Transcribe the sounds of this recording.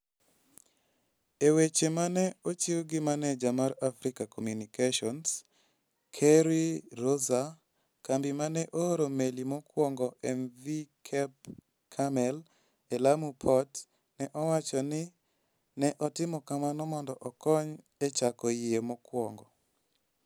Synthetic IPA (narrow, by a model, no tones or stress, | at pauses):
ewet͡ʃemanɛot͡ʃiwɡɪmanɛd͡ʒamaɾafɾikakomjunikeʃɔns | kʰɛɾiɾoza | kambimanɛʔooɾomelimɔkwɔŋɡɔʔɛnvikʰɛp̚ | kʰamɛl | elamupʰɔt | nɛʔɔwat͡ʃɔnɪ | nɛʔɔtɪmɔkamanɔmɔndɔʔɔkɔɲ | ɛt͡ʃakɔjɪemɔkwɔŋɡɔ